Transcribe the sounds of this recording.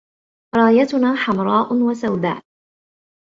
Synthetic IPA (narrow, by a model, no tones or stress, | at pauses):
ɾˤɑːjat̪ʊnaːħamɾˤɑːʔʊnwasawd̪a̰ːʔ